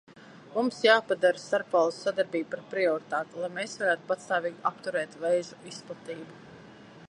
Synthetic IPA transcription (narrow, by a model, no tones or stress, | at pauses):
mumsjaːpad̪aɾsaɾpalˠsːad̪aɾbiːbupaɾpɾiɔɾit̪aːt̪lˠajmeːsvaɾæːt̪u̥pat̪st̪aːviːɡʲapt̪uɾɛːt̪vɛjzuisplˠat̪iːbu